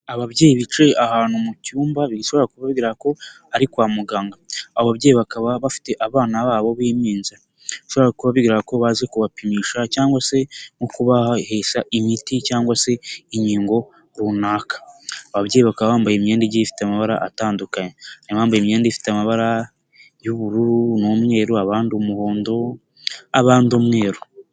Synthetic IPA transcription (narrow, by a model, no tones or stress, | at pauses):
aβaβɟeːjiβit͡ʃe̞ahaːnhumucuːmbaβiɡiʃo̞βaɾakuβaβiɡiɾako̞ | aɾikwaːmuɡaːŋɡaːβoβaβɟeːjiβakaβaβafi̥te̞ʔaβaːnaβaːβo̞βiːmiːnza | iʃo̞βaɾakuβaβiɡiɾako̞βaːzekuβapimiːʃacaːŋɡwase̞ŋukuβahahe̞ːsaʔimiticaːŋɡwase̞iɲiːŋɡo̞ | ɾunaːkḁaβabɟeːjiβakaβaβaːmbajemɲeːndiɟijifi̥teamaβaɾa̰ʔataːndukaɲenimaːmbajemɲeːndiifi̥teamaβaɾa | juβuɾuɾunomŋe̞ːɾuaβaːndiomuho̞ːndo̞ | aβaːndiomŋe̞ːɾo